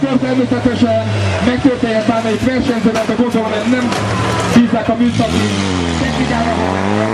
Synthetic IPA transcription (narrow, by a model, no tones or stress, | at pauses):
kørt̪ɛrmeːsɛt̪ɛʃɛnmɛk̚t̪øːrt̪eːɲɛt̪aːnɒjik̪ʋɛrʃɛɲzedɛld̪ɒɡo̞nd̪o̞lomɛnɛm | b̥iːzːaːkɒmyːsɒki | sɛtiɡ̪aːɾ